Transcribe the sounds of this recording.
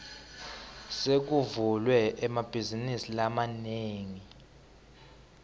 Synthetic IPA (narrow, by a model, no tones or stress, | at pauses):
sek̬uvulwɛɛmab̥ʱizinisilamaneːŋi